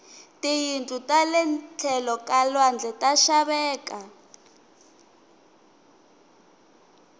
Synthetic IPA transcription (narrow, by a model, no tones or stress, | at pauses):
tijintʼutʼalɛnt͡ɬʰɛlɔkalwand͡ɮʱɛtaʃaβɛːka